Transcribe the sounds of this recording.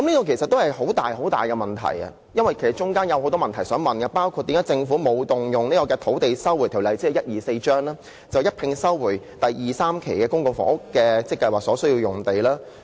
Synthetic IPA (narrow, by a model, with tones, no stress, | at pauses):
kɐ˨˥mliː˥k̪ɔː˧kʰe˨˩jsɐt̪ːo˥whɐ˨jɦo˨˥wt̪aː˨jho˨˥wt̪a̰ː˨jkɛː˧mɐ˨nt̪ʰɐ̰˨˩jɐ̰˧ | jɐ˥nwɐ˨jkʰe˨˩sɐ˨˩t͡ʃʊ˥ŋkaː˥njɐ˨who˨˥wt̪ɔː˥mɐ˨nt̪ʰɐ˨˩jsœː˨˥ŋmɐ˨nɡɐ˧paː˥wkʰu˧t̚t̪ːi˨˥mkːaː˨˥t͡sɪ˧ŋfuː˨˥mo˨˧wt̪ʊ˨ŋjʊ˨ŋniː˥kɔː˧kɛː˧t̪ʰo˨˥wt̪e˨jsɐ˥wu˨˩t̪ʰi˨˩wlɐ˨˩jt͡siː˥ɛ˨˧jɐ˥t̚jiː˨se˧jt͡ʃœː˥ŋlaː˥ | t͡sɐ˨wjɐ˥t̚pʰɪ˧ŋsɐ˥wwuː˨˩j | t̪ɐ˨jːiː˨˩saː˥mkʰe˨˩jkɛː˧kʊ˥ŋkʊ˨˧ŋfɔ̰˨˥ŋʊ˥kːɛː˧t͡sɛ˥kːɐ˧jwaː˨k̚sɔː˨˥sɵ˥ɥji˧wjʊ˨˩ŋt̪e˨jlaː˥